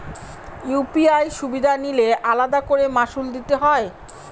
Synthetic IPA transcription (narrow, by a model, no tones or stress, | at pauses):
jupiajʃubid̪ʱanileʔalad̪akoɾemaʃuld̪it̪eɦɔe